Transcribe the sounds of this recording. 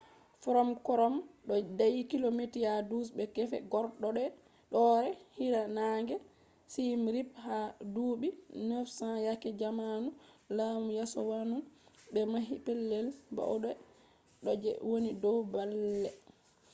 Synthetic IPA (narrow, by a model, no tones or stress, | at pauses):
fɔɾɔmkɔɾɔmɗɔdajikilometijadusbɛkɛfɛ̰ɡɔɾɗɔɗɛ | ɗɔɾɛhiɾanaŋɡɛ | simɾiphaduːɓinofsãjakɛd͡ʒamanulamujasɔwanumbɛmaɦipɛlːɛlba̰ʔɔɗɛ | ɗɔd͡ʒɛ̰wonidɔwbalːɛ